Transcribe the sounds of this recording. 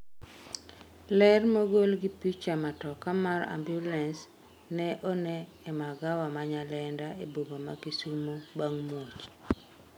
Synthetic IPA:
lɛrmoɡolɡɪpit͡ʃamatɔkamaɾa̰mbjulɛns | nɛʔɔnɛːmaɡawamaɲalɛndaebobomakisumobaŋmot͡ʃ

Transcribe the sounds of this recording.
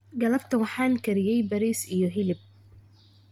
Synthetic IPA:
ɡɐlɐbt̪ʰɐwɑħɑːŋkʰɐɾɪjɛjbɐɾiːsijɞɦɪlɪb̚

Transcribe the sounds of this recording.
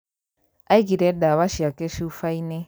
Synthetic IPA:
aiɡiɾɛɗaβaʃiakeʃuufaine

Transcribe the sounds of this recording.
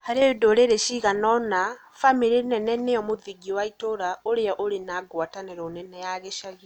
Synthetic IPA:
haɾeodoɾeɾeʃiɣanɔna | famiɾinɛnɛneɔmoðiɡiɔwaitoɾaoɾeɔʔoɾenaɡwataneɾɔːnɛnɛjaɣeʃaɣi

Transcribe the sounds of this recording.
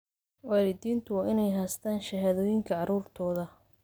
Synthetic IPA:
wɑːlɪd̪iːnt̪ʰʊwɑːʔɪnɛjɦast̪ʰaːnʃɐɦaðɔːjɪŋkʰɐʕɑɾuːrt̪ʰɔːðɐ

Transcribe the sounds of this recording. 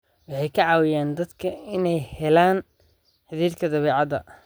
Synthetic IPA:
wɑħɑjkʰɐʕɑːwɪjaːnd̪ɐd̪kʰɐɪnɛjhɛlaːn | ħɪðiːrkʰɐd̪ɐβɛːʕɑd̪ɐ̰

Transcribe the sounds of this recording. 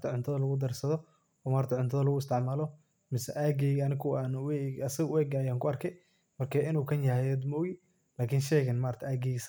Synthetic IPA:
t̪ʰɐʕʊnt̪ʰɐðɐlɐɣʊd̪ɐrsɐðɔ | ɔːmaːɾt̪ʰɐʕʊnt̪ʰɐðɐlɐɣʊɪst̪ʰɪʕmaːlɔ | mɪsɛʔaːɡɛɣɐnɪkʰʊaːnwɛɐsɐɣwɛːɡːjaːŋkʰʊɐrkʰɛj | mɐrkʰɐɪnuːkʰɐnjɐhɛjɛd̪mɔɣɪ | laːkʰɪnʃɛɣɐnmaːɾt̪ʰɐʔaːɡɛɣs

